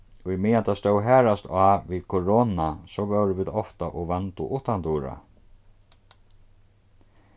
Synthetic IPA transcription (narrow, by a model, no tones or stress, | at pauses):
ʊjmɪjant̪ast̪ɔwɦɛːɾast̪ʰaːʋikʰɔɹoːnasɔʋɛwɾɪʋiːðɔft̪aʔɔɣʋɛnt̪ʊ̰ʔʊht̪ant̪uːɾa̰